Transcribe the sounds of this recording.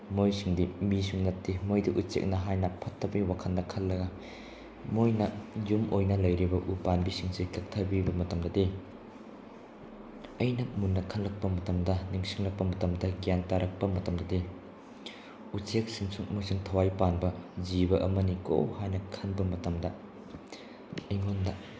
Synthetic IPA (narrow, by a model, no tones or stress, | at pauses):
mojsiŋdimisuŋnɐtːimojdiʔut͡ʃḛk̚nɐɦajnɐpʰɐtʰːɐbiwakʰɐndɐkʰɐllːɐɡɐ | mojnɐjumʔojnɐlɐjɾibɐʔupanbisiŋsikʰɐk̚tʰɐbibɐmɐtɐmdɐdi | ɐjnɐmunːɐkʰɐnlɐk̚pɐmɐtɐmdɐniŋsiŋlɐk̚pɐmɐtɐmdɐɡijantaɾɐk̚pɐmɐtɐmdɐde | ut͡ʃek̚siŋsuŋmusiŋtʰɐwajpanbɐzibɐʔɐmɐniko̰whajnɐkʰɐnbɐmɐtɐmdɐ | ɐjŋondɐ